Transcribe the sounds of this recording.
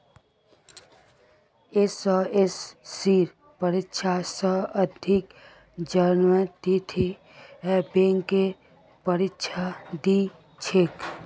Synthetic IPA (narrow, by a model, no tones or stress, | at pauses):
esɔesːiɾ | pəɾɪtʃʰasəəd̪ʱɪk | d͡ʒanʋət̪it̪ʰe | ɛbeŋke | pəɾɪtʃʰad̪i | t͡ʃʰek